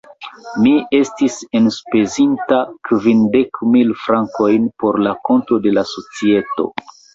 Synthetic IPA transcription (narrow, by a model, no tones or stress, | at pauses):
mie̞stise̞nspe̞zintakvinde̞kmilfɾaŋko̞jnpo̞ɾlako̞ntɾo̞de̞laso̞t͡sie̞to̞̰